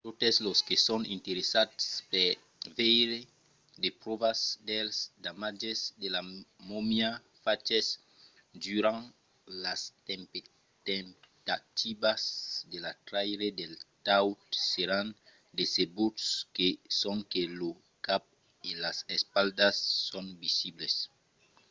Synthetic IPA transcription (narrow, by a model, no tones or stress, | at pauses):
t̪ot̪esloskesonĩnt̪eɾesat̪spe | vejɾe | d̪epɾoβasd̪elsd̪amad͡ʒesd̪elamomja | fat͡ʃes | dyɾaŋ | last̪empe | t̪emt̪at̪ibasd̪elat̪ɾajɾed̪elt̪awt̪seɾan | d̪esebut̪skesõŋkelo | kap̚ | ilasespald̪asːõŋbisibles